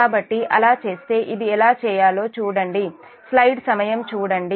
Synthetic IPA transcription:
aːbɐʈːiʔɐ̰laːt͡ʃe̞ːst̪e̞ːʔid̪iɛlaːt͡ʃɛːjaːlo̞ːt͡ʃuːɽɐɳɖi | slɐjɖsɐmɐjɐmt͡ʃuːɽɐɳɖi

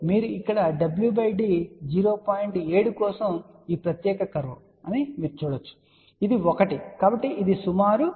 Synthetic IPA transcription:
miːɾuikːɐɽɐɖɐbljubɐjɖiːd͡ʒiːɾoːpaːjiɳʈe̞ːɽukɔːsɐm | iːpɾɐt̪jɛːkɐkɐɾʋu | ɐnimiːɾut͡ʃuːɽɐt͡ʃːu̥ | id̪iɔkɐʈikaːbɐʈːiʔid̪isumaːɾu

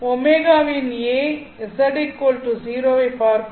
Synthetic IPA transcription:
omeɡaʋine | esɐɖikːoːlʈuziːɾoʋepaːɾ

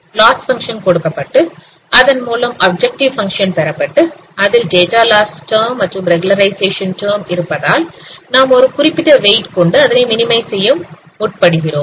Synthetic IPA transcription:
laːsfɐŋkʂɐnkɔɽɯkːɐpːɐʈːɯ | ʔɐðɐnmuːlɐmɐːb̚d͡ʒɛk̚ʈɪʋfɐŋkʂɐnpɛɾɐpːɐʈːɯ | ɐðɪlɖeːʈaːlaːsʈɐːmːɐʈːrɯmɾɛɡʊlɐɾɐɪseːʂɐnʈɐːmɪɾɯpːɐðaːlnaːmɔɾɯkʊrɪpːɪðɐʋeɪʈkɔɳɖɯɐðɐnɐɪmɪnɪmɐɪsɛjːɯm | ʊʈ̚pɐɽɯɣɪɾoːm

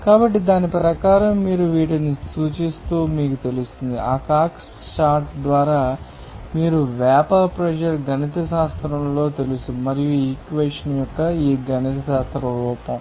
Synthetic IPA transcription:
kaːbɐʈːid̪aːnipɾɐkaːɾɐmːiːɾuʋiːʈɐnisuːt͡ʃist̪uːmiːkut̪e̞lust̪und̪iʔaːkaːk | ʈaːɾʈd̪ʋaːɾaː | miːɾuʋaːpapɾɐd͡ʒɐɾɡɐnit̪̬ɐʃaːst̪ɾɐmlo̞ːt̪e̞lusumɐɾijuikʋeːʂɐnjɔkːɐiːɡɐnit̪ɐʃaːst̪ɾɐɾɔːpɐm

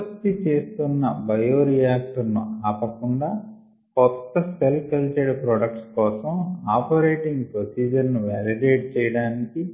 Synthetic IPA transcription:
ɐkt̪it͡ʃe̞ːst̪unːɐbɐjoːɾijaːk̚ʈɐɾnuaːpɐkuɳɖaː | kɔt̪ːɐst̪ʰɐlkɐlt͡ʃeɾpɾoːɖɐk̚ʈskɔːsɐmaːpɐɾeːʈiŋɡpɾosiːd͡ʒɐɾnuʋaliɖeːʈt͡ʃɛːjɐɽaːniki

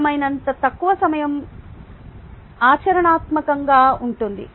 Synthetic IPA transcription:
mɐjnɐnt̪ɐt̪ɐkːuʋɐsɐmɐjɐm | aːt͡ʃɐɾɐɳaːt̪mɐkɐŋɡaːuɳʈund̪ḭ

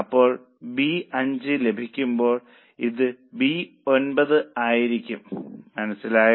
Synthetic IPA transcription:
ɐpːo̞ːɭ | biɐɲd͡ʑɨle̞bʱikʲːumbo̞ːɭ | iðɨbi | o̞nbɐðɨaːjiɾikʲːumːɐnɐsːilaːjɐ

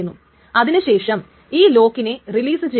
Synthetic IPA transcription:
unːu | ɐðinɨɕe̞ːʂɐm | iːlo̞ːkːine̞riliːsɨt͡ɕe

